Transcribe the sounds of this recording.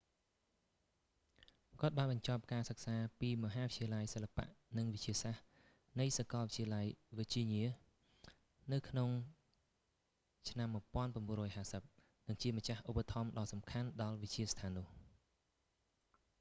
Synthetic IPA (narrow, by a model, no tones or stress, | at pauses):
kŏət̪̚ɓaːnɓɑɲt͡ɕɑp̚kaːsək̚saːpiːmɔ̆ɦaːʋəiəlajsəlːapa̰ʔnɨŋʋɨc̚t͡ɕiəsah | nɨjsakɑlʋəct͡ɕʰiəlajʋic̚t͡ɕiəɲiə | nɨwkʰnoŋ | t͡ɕʰnamːuəjpŏənpramɓuənrɔːjɦaːsəp̚ | nɨŋt͡ɕiəmət͡ɕahʔupːat̪ʰɑmɗɑːsɑmkʰanɗɑlʋɨc̚t͡ɕiəst̪ʰaːnːʊ̆əh